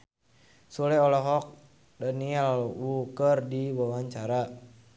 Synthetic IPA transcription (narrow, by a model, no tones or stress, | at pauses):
sulɛɔlɔɦɔk̚ | dənialaluwukərdiwawaɲt͡ʃaɾa